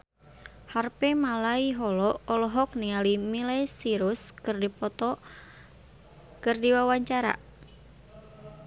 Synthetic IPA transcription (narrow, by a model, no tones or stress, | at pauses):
harpemalaiɦɔlɔʔɔlɔɦɔk̚nialimilesiɾʊskɨrdipɔt̪ɔ | kɨrdiwawaɲt͡ʃaɾa̰